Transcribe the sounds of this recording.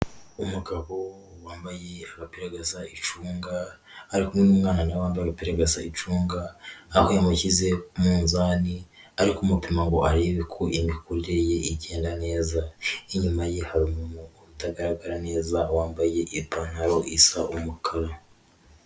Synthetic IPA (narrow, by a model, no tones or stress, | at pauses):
umuɡaβo̞ | waːmbaje̞aɡapeɾaɡazait͡ʃuːŋɡaː | ɾikumŋenumŋaːnanawaːmbajapeɾaɡazait͡ʃuːŋɡaːikojamucize̞umuːnzaːniaɾikumupimaŋɡo̞ʔaɾeβikʰoʔimikuɾiɾeje̞ʔiɟe̞ːndane̞ːzaiɲumaje̞haɾimunooβutaɡaɾaɡaɾane̞ːzawaːmbaje̞ʔipanaɾoʔisaʔumukʰaɾa